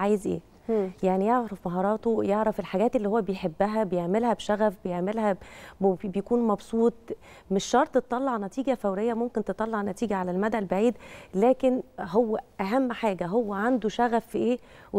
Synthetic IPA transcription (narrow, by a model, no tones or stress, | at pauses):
ʕaːjezʔḛː | jaʕnijeʕɾɾæfmɑɦɑːɾˤɑːt̪ojeʕɾæfelħaɡæːt̪elːihowːæbejħebːæɦæbejeʕmelhæbʃæɣæfbejeʕmelɦæ | bejkuːnmɑbsˤuːt̪ˤ | meʃːɑɾˤt̪ˤett̪ˤːɑlːɑʕnæt̪iːɡæfæwɾejːæmomkent̪et̪ˤɑlːɑʕnːæt̪iːɡæʕalælmæd̪æʔlbaʕiːd̪læːkenɦowːæʔæɦæmːħaːɡæɦowːæʕand̪oʃæɣæfiʔeːw